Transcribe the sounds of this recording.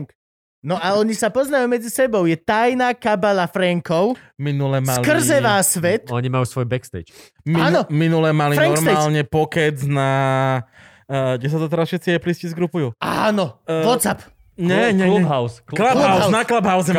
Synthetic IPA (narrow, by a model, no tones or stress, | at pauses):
nɔʔaɔɲisapɔznajuːmɛd͡zisɛbɔʊjɛt̪ajnaːkabalafɾɛŋkɔʊminulɛmsalkr̩zɛʋaːsʋɛt̪ɔɲimajuːsʋɔjbɛkst̪ɛ̰ːt͡ʃ | mianɔminulɛmalifɾɛŋŋɔkɾsmɛaːlɲɛpɔkɛd͡zna | ɡɟɛs̬at̪ɔt̪ɛɾasfʃɛt̪t͡siɛpliscizɡɾupujua̰ːnɔʋɔt̪sap | ɲɛɲɛɦaʊsklaanaklabɦaʊzɛ